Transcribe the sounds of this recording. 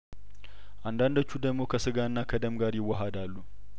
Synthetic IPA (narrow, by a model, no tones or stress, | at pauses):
ʔand̪and̪ət͡ʃːud̪əɡmokʰɐsɨɡanːakʰɐd̪əmɡaɾjɪwːɐɦad̪alːu